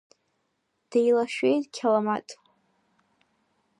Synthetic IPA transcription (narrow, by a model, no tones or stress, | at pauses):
d̥ejlaʃᶣejtʼkʲʰalamatʼ